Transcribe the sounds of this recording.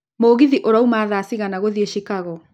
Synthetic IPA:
moːɣiðiʔoɾaumaːðaːsiɣanaɣoðieʃikaɣɔ

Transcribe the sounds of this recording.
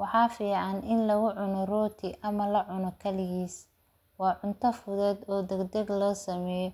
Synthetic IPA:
wɑħɑːfiːʕɑnʔɪnlɐɣʊʕʊnɔrɔːt̪ʰɪʔɐmɐlɐʕʊnɔkʰɐlɪɣiːs | wɑːʕʊnt̪ʰɐfʊðɛːd̪ɔːd̪ɛɡd̪ɐɡlɔːsɐmɛːjɔ

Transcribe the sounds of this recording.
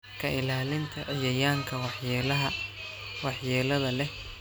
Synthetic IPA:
kʰɐɪlaːlɪnt̪ʰɐʕɪjɐjaːŋkʰɐwɑħjɛlɐɦɐ | wɑħjɛːlɐðɐlɛh

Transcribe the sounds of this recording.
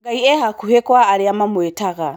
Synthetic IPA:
ɡaiɛhakuhekwaːɾeamamwetaɣa

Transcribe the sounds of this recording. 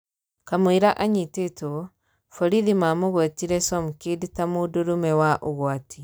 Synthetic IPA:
kamwiɾaʔaɲitetu | fɔɾiðimamuɣatiɾɛsɔmkiditamuduɾumɛwaʔuɣwati

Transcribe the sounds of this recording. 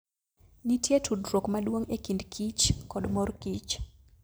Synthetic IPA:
nitjetʰudɾokmaɗwoŋekindkʰit͡ʃkɔdmɔrkit͡ʃ

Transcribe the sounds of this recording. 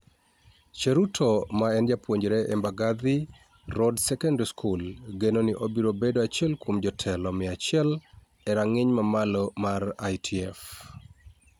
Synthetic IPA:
t͡ʃeɾutʰɔmaɛnjapwoɲd͡ʒɾeʔɛmbaɡad̪ɪ | rɔdsɛkɛndskʰulɡenoniʔobiɾobedoat͡ʃɛlkwomd͡ʒɔtʰɛlɔmɪat͡ʃɪɛl | ɛɾaŋɪɲmamalɔmarajtʰiɛf

